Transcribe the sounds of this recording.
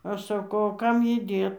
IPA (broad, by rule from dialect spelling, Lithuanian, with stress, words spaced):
ˈɐʃ sɐˈkɐʊ oː ˈkɐm ˈjiː ˈdʲeːt